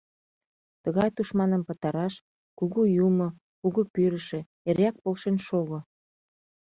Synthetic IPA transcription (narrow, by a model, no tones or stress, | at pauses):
t̪əɣɑjt̪uʃmɑnəmpə̆t̪ɑɾɑʃ | kuɣujumŏ | kuɣupyɾə̆ʃĕ | eɾʲɑk̚polʃenʃoɣo